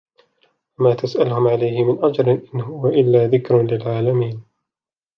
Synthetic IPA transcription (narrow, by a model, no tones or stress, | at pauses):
wamaːt̪asʔalʊhʊmʕalajhɪmɪnʔad͡ʒɾɪnʔɪnhʊwaʔɪlːaːðɪkɾlɪlʕaːlamiːn